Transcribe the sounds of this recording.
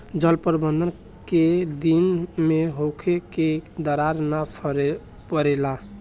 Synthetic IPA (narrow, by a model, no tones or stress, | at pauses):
d͡ʒəlpəɾbənd̪ən | ked̪inmeɦokʰeked̪əɾaɾnapʰ | pəɾela